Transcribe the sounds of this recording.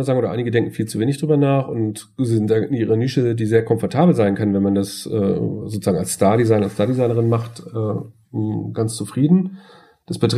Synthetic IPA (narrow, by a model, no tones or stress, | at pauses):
zaːɡŋ̩oːdɐʔa̰ɪnɪɡədɛŋkŋ̩fiːlt͡suveːnɪçd̥ʁyːbɐnaːχʊnt | zɪzɪntd̥aːʔɪnʔiːʁəniːʃədiːzeːɐkʰɔ̃mfɔɐtʰaːbl̩zaɪnkʰanənvɛnmandasʔɛ̰ːzoːtt͡suz̥aːɡŋalsstaɐɾizaɪnɐastaɐdizaɪnəʁɪnmaχtʔɛː | ɡ̥ant͡st͡sufʁ̥iːdn̩ | d̥asb̥ətʁ